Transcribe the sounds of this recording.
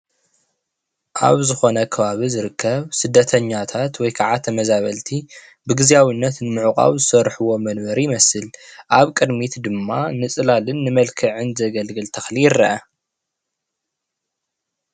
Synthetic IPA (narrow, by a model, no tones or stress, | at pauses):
ʔa̰βzɨxo̞nɐkʰɐβaβizɨɾɨkʰːɐβsɨd̪ːɐt̪ʰɐɲːat̪ʰat̪wɔjkʰaʕat̪ʰːɐmɐzaβɐlt̪ʰi | bɨɡɨziawinːɐt̪nɨmɨʕukʼa̰wzɨsɐɾħuwo̞mɐnbɐɾijɪmɐsɨlʔaβkʼɨd̪mit̪d̪ɨmːanɨt͡sʼɨlalɨnːɨmɐlkʰɐʕɨnzɐɡɐlɡɨlt̪ʰɐxlijɪrːɐʔɐ